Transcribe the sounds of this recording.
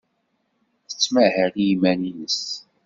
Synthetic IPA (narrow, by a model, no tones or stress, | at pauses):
θə̥t͡sːmahəʁijimæninəs